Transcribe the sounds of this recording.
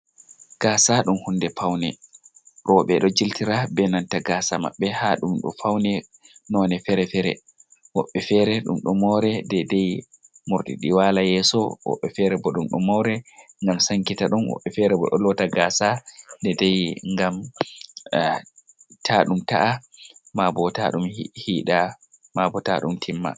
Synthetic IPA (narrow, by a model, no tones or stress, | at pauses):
ɡ̥aːsaɗumhundɛpawnɛ | ɗɔɓɛɗɔd͡ʒiltiɾabɛnantaɡaːsama̰ɓːɛhaɗumɗɔ̰fawnɛ | nɔnɛfɛɾɛfɛɾɛ̰ | wɔɓːɛfɛɾɛɗṵmɗɔmɔɾɛdɛdɛj | muɾtḭɗiwalajɛːsɔwɔ̰ɓːɛfɛɾɛbɔɗumɗɔ̰mɔwɾɛŋɡamsaŋkitaɗɔnwɔ̰ɓːɛfɛɾɛbɔɗɔ̰lɔtaɡaːsadɛdɛjŋɡam | tʰaɗumta̰ʔamabɔta̰ɗumhiːɗa | mabɔta̰ɗumtʰimːa̰